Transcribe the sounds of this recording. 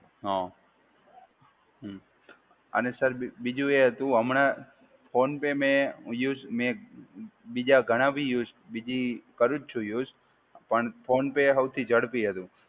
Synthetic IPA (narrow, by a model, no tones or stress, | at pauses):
ɦɔ̃ | ɦ | ə̰nesəɾbid͡ʒũeɦət̪ũɦəmɳa | pʰonpemẽjuzmẽ | bid͡ʒaɡʱəɽ̃abʱijuzbid͡ʒikəɾũt͡ʃt͡ʃʰũjuːz | pəɳpʰonpeɦəwt̪ʰid͡ʒəɽpiɦət̪ũ